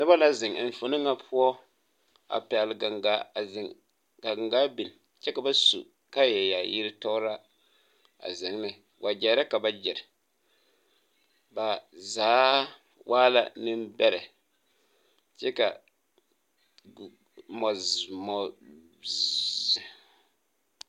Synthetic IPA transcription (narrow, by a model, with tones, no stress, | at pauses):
nɨ˦ba˦la˦zɪ˨ŋ˨ɱ˨fo˨nɨ˦ŋa˦pʰʊ˦ɔ˦ | a̰˨pɛ˨lɡa˨ŋɡa˦a˨zɪ˨ŋ | ɡa˨ɡŋɡa˦bi˨n | t͡ʃɛ˦ka˨ba˦sṵ˨ | ka˦jɛ˨ja˨ji˦ɾɪ˦tɔ˦ɾa˦ | a̰˨zɪ˨ŋ˦nɪ˨ | wʔa˨d͡ʒɛ˨˦ɾa˦ka˨ba˦d͡ʒɛ˨ɾɪ˨ | ba˨zaː˨˦ | wʔaː˦la̰˦nɨ˦mbɛ˦ɾɛ˨ | t͡ʃɛ˦ka˨ | mɔ˨zmɔ˨